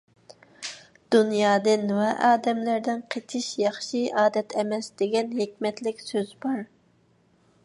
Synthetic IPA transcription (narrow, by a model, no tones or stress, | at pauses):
d̪̥unjɑːd̪ɨnwɛʔɑːd̪ɛmlæɾd̪ɪnqʰet̪ʰɪʃjɑχʃiʔɑːd̪ɛt̪ʰɛmɛsd̪̥ɪɡʲɛnɦekʲmɛt̪lɪkʲsøzbɑɾ